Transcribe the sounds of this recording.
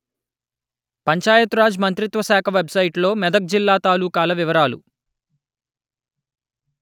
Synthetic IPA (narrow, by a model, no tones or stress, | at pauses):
pɐɲt͡ʃaːjɐt̪uɾaːd͡ʒmɐnt̪ɾit̪ʋɐsɛːkʰɐʋebsɐjʈlo̞ːmɛd̪ɐk̚d͡ʒilːaːt̪aːluːkaːlɐʋiʋɐɾaːlṵ